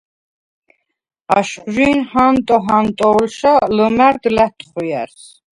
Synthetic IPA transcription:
aʃχʒiːnhant̪ʼɔɦant̪ʼɔːlʃaləmæɾd̪læt̪ʰχujæ̰ɾs

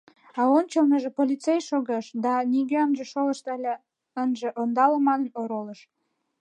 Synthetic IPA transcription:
ɑont͡ɕəlnəʒĕpolʲit̪t͡sejʃoɣɑʃd̪ɑniɣeɑmʒeʃoləʃt̪ɑlʲe | ənʒĕʔond̪ɑləmɑnənoɾoləʃ

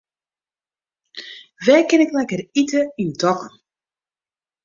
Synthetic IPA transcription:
ʋɛjkɪnɪklɛkəritəindɔkən

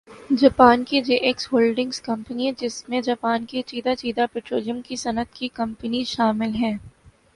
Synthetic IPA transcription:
d͡ʒɐːpaːnkid͡ʒeːʔeksɦoːlɖɪ̃ŋskɐ̃mpəniɛ̃d͡ʒɪsmẽd͡ʒaːpaːnkit͡ʃiːd̪at͡ʃiːd̪apɛʈɾoːlijəmkisɐnət̪kikɐ̃mpəniʃaːmɪlɦɛ̃ː

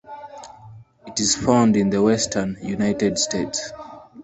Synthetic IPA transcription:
itiz̥fãʊ̃ndĩnðəwɛstʰənjunaɪtɛdstʰets

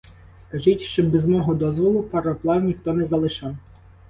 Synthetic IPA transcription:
skɐʒitʲʃt͡ʃɔbɛzmɔɦɔd̪ɔzʋɔlˠʊpɐɾɐplˠɑwnʲixt̪ɔnɛzɐlˠɪʃɑw

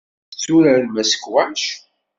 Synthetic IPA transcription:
t͡sːuɾəlmæsə̥kwæʃ

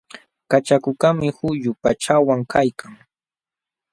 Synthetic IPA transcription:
kat͡ʃakʊkamɪhʊjʊpat͡ʃawaŋkajkʰaŋ

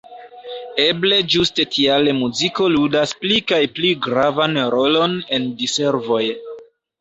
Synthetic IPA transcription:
e̞ble̞d͡ʒuste̞tʰialemuziko̞ludasplikajpliɡɾavanɾo̞lo̞ne̞ndise̞ɾvo̞j

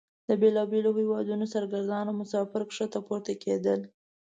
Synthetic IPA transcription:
d̪̥əbelɑbelohewɑd̪unosaɾɡaɾd̪ɑnomʊsɑfɪɾkʂət̪apoɾt̪akʰed̪əl

